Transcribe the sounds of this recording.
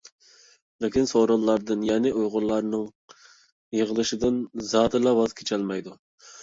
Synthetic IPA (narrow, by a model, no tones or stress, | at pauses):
lɪkʲinsoɾolˠːɑɾd̪ɨnjɛnɪʔujʁʊlːˠɑɾnɨŋ | jəʁəlˠɨʃɪd̪ɨnzɑːd̪ɨlˠɑwɑz̥kʲʰe̥t͡ʃʰɛlmɑjd̪u